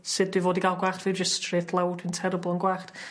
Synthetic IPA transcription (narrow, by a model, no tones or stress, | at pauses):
sɨd̚dwɪvoːdiɡalˠɡwaːχtvid͡ʒɪstʰrɪθlˠɛwdɪntʰɛɾəblˠənɡwaːχt